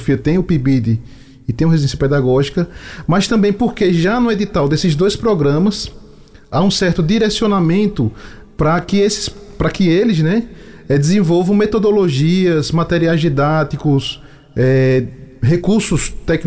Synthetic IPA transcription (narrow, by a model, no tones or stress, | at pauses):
fiɐt̪ẽj̃ʊpibid̪ɪ | ɪt̪ẽɐhezud̪ẽsjɐpɛd̪aɡɔʒikɐmɐst̪ɐ̃mbẽj̃poɾkeʒanʊed̪it̪awd̪esɪzd̪ojspɾɔɡɾɐ̃mɐs | aũsɛɾt̪ʊd̪iɾesionamẽnt̪ʊ | pɾɐkɪesɪ̥spɾɐkɪelɪznɛɛd̪ɪzẽvɔwvɐ̃w̃met̪od̪oloʒiɐzmat̪eɾiajzd̪id̪at̪ikʊs | ɛ | ɦekuɾsʊst̪ɛkn